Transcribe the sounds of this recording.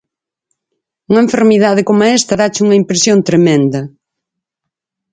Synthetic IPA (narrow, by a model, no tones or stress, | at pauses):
uŋɐeɱfeɾmiðaðɪkomɐɛst̪ɐɾat͡ʃɪuŋɐimpɾesjont̪ɾemẽnd̪ɐ